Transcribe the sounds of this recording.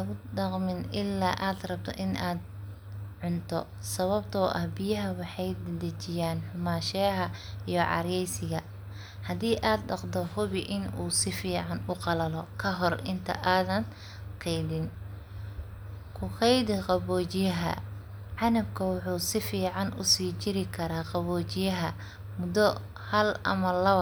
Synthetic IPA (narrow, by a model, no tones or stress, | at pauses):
ɐɣʊɖɑqmɪnɪlːaːʔaːd̪rɐb̚t̪ʰɔ̰ʔɪnʔaːd̪ | ʕʊnt̪ʰɔ̰ | sɐβɐbt̪ʰɔːʔɐhbɪjɐɦɐwɑħɑjd̪d̪ɐt͡ʃɪjaːnħʊmaːʃɛɦɐijɞʕɑ̰ɾɛjsɪɣɐ | hɐdiːʔaːd̪ɖɑqd̪ɔhʊβɪʔɪnṵːsɪfiːʕɑnʊqɑlɐlɔkʰɐɦɔrɪnt̪ʰɐ̰ʔaːðɐn | qʰɛjd̪ɪn | kʰʊqɛjd̪ɪqɑβɔːt͡ʃɪjɐɦɐ̰ | ʕɑnɐbkʰɐwʊħuːsɪfiːʕɑnʔʊ̰siːt͡ʃɪɾɪkʰɐɾaːqɑβɔːt͡ʃɪjɐɦɐ | mʊd̪ɔ | hɐlʔɐ̰mɐlɐβɐ